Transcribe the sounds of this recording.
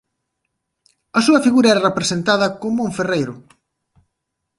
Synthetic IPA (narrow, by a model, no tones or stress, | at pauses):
ɐsuɐfiɣuɾɐɛɾɐrepɾesent̪aðɐkomuŋferejɾʊ